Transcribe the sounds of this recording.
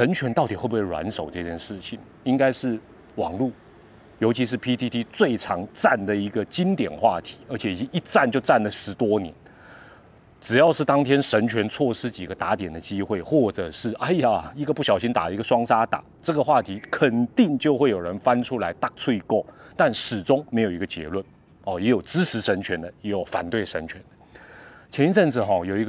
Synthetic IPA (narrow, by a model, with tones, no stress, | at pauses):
ʂə˧˥nt͡ɕʰɥɛ˧˥nt̪ɑ˥˩ʊt̪i˨˩xwe˥˧bu˥we˥˩wa̰˧˦nʂo˨˩ʊʈ͡ʂɤ˥˧t͡ɕʰjɛ˥˧nʂɻ̩˥˩t͡ɕʰi˨˩ŋ | i˥ŋka˥ɪʂɻ̩˥˩ | wɑ̰˨˩ŋlu˥˩ | jo˧˥ʊt͡ɕʰi˧˥ʂ̬ɻ̩˥˩pʰi˥t̪ʰi˥t̪ʰi˦˥t͡swe˥˩ɪʈ͡ʂʰɑ˧˥ŋʈ͡ʂa˥˩nd̪ə˩i˧˥ɡə˨t͡ɕi˥nt̪jɛ̰˨˩nxwa̰˥˩t̪ʰi̥˧˥ə˞˧˥t͡ɕʰjɛ˨˩i˨˩t͡ɕi˥i˥˩t͡sa˥˧nt͡ɕjo˥˧ʊʈ͡ʂa˥˩nlə˩ʂɻ̩˧˥t̪wɔ˥njɛ̰˧˦n | ʈ͡ʂɻ̩˨˩jɑ˥˧ʊʂɻ̩˥˩t̪ɑ˥ŋt̪ʰjɛ˥nʂə˧˥nt͡ɕʰɥɛ˧˥nt͡sʰwɔ˥˩ʂɻ̩˥t͡ɕi˨˩ɡə˦t̪a˧˥t̪jɛ˨˩nd̪ə˦t͡ɕi˥xwe˥˩ɪxwɔ˥˩ʈ͡ʂɤ˨˩ʂɻ̩˥˩ʔa˥˩ɪja˨˩i˧˥ɡə˧pu˥˩ɕjɑ˨˩ʊɕi˥nt̪a̰˨˩˦i˧˥ɡə˨ʂwɑ˥ŋsa˥t̪a̰˨˩˦ʈ͡ʂɤ˥˩ɡə˩xwa˥˩t̪ʰi˧˥kʰə˨˩nt̪i˥˧ŋt͡ɕjo˥˧ʊxwe˥˩ɪjo˨˩ʊɻə˧˦nfa˥nʈ͡ʂʰu˥la˧˥ɪt̪a˥˩t͡sʰu˥˧i˧ko˥˩ʊt̪a˥˩nʂɻ̩˨˩ʈ͡ʂʊ˥ŋme˧˥ɪjo˨˩ʊi˧ɡə˧t͡ɕjɛ̰˧˥lwə˥˩n | ɔ˨˩jɛ˧˥jo˨˩ʊʈ͡ʂɻ̩˥t͡s̩ʰ˧˥ʂə˧˥nt͡ɕʰɥɛ˧˥nd̪ə˧jɛ˧˥jo˨˩ʊfa̰˨˩nt̪we˥˩ɪʂə˧˥nt͡ɕʰɥɛ˧˥nət͡ɕʰjɛ˧˥ni˥t͡sə˥˩nt͡sɹ̩˨˩xɔ˥˩jo˨˩ʊi˧˥ɡ